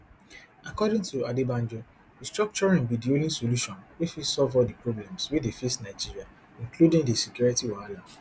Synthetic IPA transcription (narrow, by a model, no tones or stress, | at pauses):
akɔdĩŋtʰuadibãnd͡ʒo | distɹɔk̚t͡ʃɔɹĩnbidiolĩsoluʃɔ̃nwifisɔlvɔdipɹoblɛ̃mswiðefisnaɪd͡ʒiɹia | ĩnkludĩŋdisikjɔɹitiwaalã